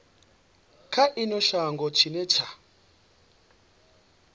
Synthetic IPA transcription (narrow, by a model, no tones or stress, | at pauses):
kʰaʔinɔʃaŋɡɔt͡ʃʰinɛt͡ʃʰa